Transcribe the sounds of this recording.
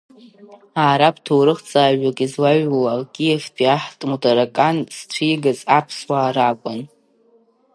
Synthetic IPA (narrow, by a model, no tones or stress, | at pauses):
aːɾapʰʼtʰowɾɨχt͡sʼaːɥᶣakʼizlaɥlawkʲʼijefpʰiaħtʼmutʰʼaɾakʼanst͡sʷʰiːɡazapʰswaːɾakʷʼʊn